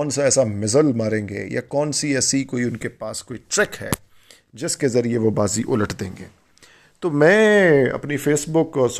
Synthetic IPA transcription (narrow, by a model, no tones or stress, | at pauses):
nsaɛːsamɪzəlmaːɾẽːŋɡḛːja̰kɔːnsiɛːsikoːiʊnkepaːskoːiʈɾɛːkɦɛ̰ː | d͡ʒɪskezɐɾieʋobaːziʔʊ̰ləʈʰd̪ẽːŋɡeː | t̪oːmɛ̃ːɐ̰pnifeːsbʊkɔːɾs